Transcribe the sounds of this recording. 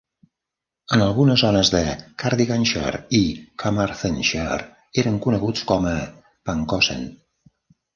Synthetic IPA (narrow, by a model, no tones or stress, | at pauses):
ənəlˠɣunəzɔnəzðəkaɾðiɣanʃə̰ɾikʰamaɾθənʃeɾ | eɾəŋkunəɣut͡skɔmə | paŋkɔsḛn